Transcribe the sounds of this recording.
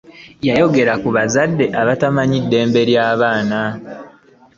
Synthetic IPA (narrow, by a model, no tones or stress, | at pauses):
jajo̞ɡe̞ɾakuβazadːe̞ʔaβatamaɲidːe̞ːmbe̞ɾjaːβaːna